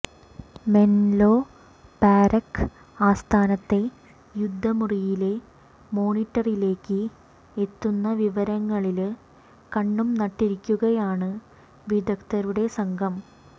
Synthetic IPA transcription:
me̞nloː | paːɾɐkː | aːst̪ʰaːnɐt̪ːe̞ | jud̪ʱːɐmurijile̞ | mo̞ːɳiʈːɐrile̞ːkːɨ | et̪ːunːɐʋiʋɐɾɐŋːɐɭil | kɐɳːumnɐʈːiɾikʲːuɣɐjaːɳɨ | ʋid̪ɐkt̪ɐɾuɽe̞sɐŋɡʱɐm

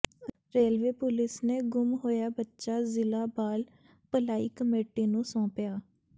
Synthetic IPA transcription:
ɾeːlʋeːpʊlɪsneːɡʊmɦoːjaːbətːʃaːzɪlaːbaːl | pəlaːiːkəmeːʈiːnũːsɔ̃ːpjaː

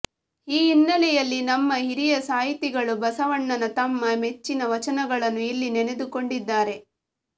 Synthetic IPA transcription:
iːinːɐlɛjɐlːinɐmːɐɦiɾijɐsaːɦit̪iɡɐɭubɐsɐʋɐɳːɐnɐt̪ɐmːɐme̞t͡ʃːinɐʋɐt͡ʃɐnɐɡɐɭɐnːuilːinene̞d̪uko̞ɳɖid̪ːaːɾe̞

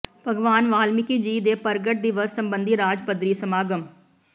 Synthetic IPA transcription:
pəɡʋaːnʋaːlmɪkid͡ʒiːd̪eːpəɾɡəʈ̚d̪ɪʋəsːəmbə̃nd̪ʱiɾaːd͡ʒpəd̪ɾiːsəmaːɡəm

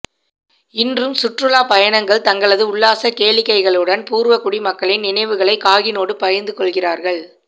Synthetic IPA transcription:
ɪndrɯmsʊʈrɯlaːpɐjɐnɐŋɡɐɭt̪ɐŋɡɐɭɐðɯʊɭːaːsɐkeːɭɪkːɐɪɣɐɭɯɽɐnpuːɾʋɐkʊɽimɐkːɐɭɪnnɪnɐɪʋɯɣɐɭɐɪkaːɣɪnoːɽɯpɐjɐɾnd̪ɯkɔɭɣɪraːɾɣɐɭ

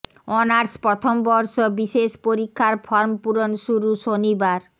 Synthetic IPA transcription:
ɔnaɾspɾɔt̪ʰombɔɾʃobiʃeʃpoɾikʰːaɾfʰɔɾmpuɾonʃuɾuʃonibaɾ

